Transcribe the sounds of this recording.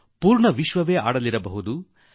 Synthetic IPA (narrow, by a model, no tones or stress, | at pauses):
puːɾɳɐʋiʃʋɐʋeːʔa̰ːɽɐliɾɐbɐɦud̪u